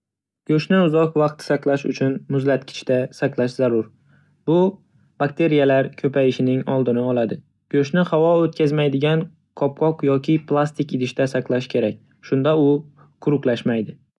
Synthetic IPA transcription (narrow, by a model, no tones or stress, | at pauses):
ɡ̥ʲɵʃnɪʊzɒqvɑq̚t̪ʰɪ̥saqlˠaʃʊ̰t͡ʃʰʊnmʊzlat̪̚kʲʰɪ̥t͡ʃʰt̪asaqlˠaʃzaɾʊɾ | bʊ | b̥ak̚ʲt̪ʰe̞ɾijalaɾkʲʰɵpajɪʃɪnɪŋɒlˠd̪ɪnɪɒlˠad̪ɪ | ɡ̥ɵʃnɪhawɒot̪̚kʲʰazmajd̪ɪɡʲan | qʰɒp̚qʰɒqjɒkʲʰɪplˠast̪ɪkʲɪd̪ɪʃt̪asaqlˠaʃkʲʰe̞ɾak̚ʲ | ʃʊnd̪aʊ | qʰʊɾʊqlˠaʃmajd̪ɪ